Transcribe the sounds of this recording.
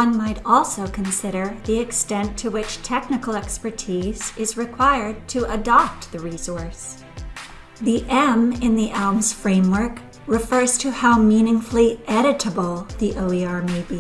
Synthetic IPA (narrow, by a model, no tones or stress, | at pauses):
ʌ̃nmaɪɾɔlˠsoʊkʰɨ̃n̩sɪɾə˞ðiɨkstɛ̃ntʰɨwɪt͡ʃtʰɛk̚nɨkl̩ˠɛkspə˞tʰiz̥ɨzɹɨkʰw̥aɪə˞d̚tʰɨʔədɑp̚t̪̚ðɨɹisɔɹs | ðiʔɛ̃mɪ̃nðiʔɛlˠmz̥fɹẽɪ̃mwə˞k | ɹɨfɜ˞z̥tʰɨhaʊmĩnɪ̃ŋfl̩ˠiʔɛɾɨɾəbl̩ˠðiʔoʊiɑɹmeɪbi